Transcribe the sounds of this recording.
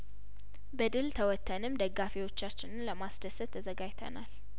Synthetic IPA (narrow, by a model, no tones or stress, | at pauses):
bəd̪ɨlt̪ʰəwɔt̪ʰːənɨmd̪əɡːafiwot͡ʃːat͡ʃːɪnɨnləmasd̪əsət̪ʰːəzəɡajt̪ʰə̰nal